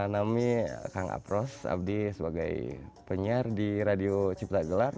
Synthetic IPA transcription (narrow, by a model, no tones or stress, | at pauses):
namikaŋa̰pɾɔsa̰b̚disəbaɡa̰jpəɲardiɾadiot͡ʃip̚t̪aɡəlar